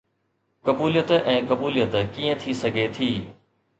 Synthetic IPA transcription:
kɐbuːlijət̪ʔɛ̃ːkɐbuːlijət̪kiːə̃t̪ʰisɐɡʱet̪ʰiː

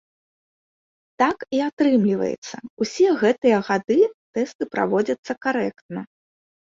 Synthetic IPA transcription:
t̪akiat̪ɾɨmlʲivɐ̰jɛ̰t̪sːɐusʲɛɣɛt̪ɨjɐɣad̪ɨt̪ɛst̪ɨpɾa̰vɔd͡zʲɐt̪sːɐkaɾɛkt̪̚nɐ

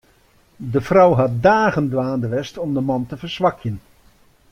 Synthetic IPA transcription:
dəfrɔwɦɑt̚daːɣəndʋaːndəʋɛstɔmdəmɑntəfərsʋɑkʰjən

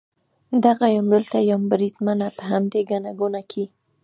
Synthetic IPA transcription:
d̪aɣajamd̪əlt̪ajawmbɾid̪manapəɦamd̪eɡanaɡunakʰi

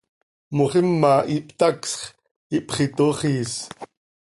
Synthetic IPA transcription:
moχimːaʔipt̪aksχ | ipχit̪oχiːs

